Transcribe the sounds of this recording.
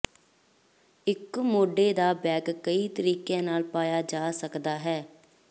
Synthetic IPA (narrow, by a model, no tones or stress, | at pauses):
ɪkmoːɖeːd̪aːbɛːɡkəiːt̪əɾiːkẽːnaːlpaːjaːd͡ʒaːsəkd̪aːɦɛː